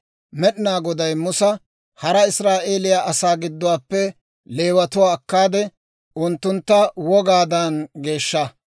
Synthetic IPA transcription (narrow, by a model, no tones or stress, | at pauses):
mɛɗɪnaːɡɔd̪ɐjmʊsɐ | hɐɾɐɪsɾaːʔeːlɪjaːʔɐsaːɡɪd̪ːɔwaːpːɛ | le̞ːwɐt̪ʊwaːkːaːd̪ɛ | ʔʊnt̪ːʊnt̪ːɐwɔɡaːd̪ɐnɡe̞ːʃːɐ